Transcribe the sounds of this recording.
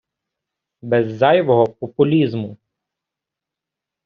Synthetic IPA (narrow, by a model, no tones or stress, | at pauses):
bɛzːɑjʋɔɦɔpɔpʊlʲizmʊ